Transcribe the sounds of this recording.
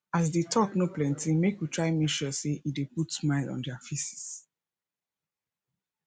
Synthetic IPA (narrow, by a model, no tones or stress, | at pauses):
as̬detʰɔknoplɛ̃ntĩmekjitɹaɪmeʃɔseʔideputsmaɪlɔ̰̃ndɛafisi̥s